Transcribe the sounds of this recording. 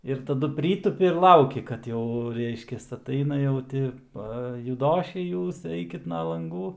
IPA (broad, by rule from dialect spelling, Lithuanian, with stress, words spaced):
ɪr tɐˈdʊ ˈpʲrʲiːtʊpʲɪ ɪr ˈlˠɐʊkʲɪ kɐt ˈjɛʊ ˈrʲɛɪʃʲkʲɛs ɐˈtɐɪnɐ jɛʊ ˈtʲɪ ˈpɐ jʊˈdoːʃʲɛɪ ˈjuːs ˈɛɪkʲɪt ˈnɐ lˠɐŋˈɡuː